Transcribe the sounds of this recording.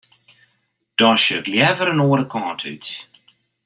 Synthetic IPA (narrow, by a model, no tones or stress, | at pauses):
d̥ɑːʃəːtljɛvəɾənoːɾəkʰɑ̃ːtʰʉ̰ɥt